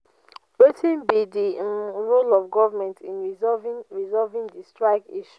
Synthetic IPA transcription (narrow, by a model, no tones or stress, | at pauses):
wetĩnbidiɹolɔvɡɔvamɛ̃ntʰĩnɹviɹizɔlvĩŋdistɹaɪɡiʃu̥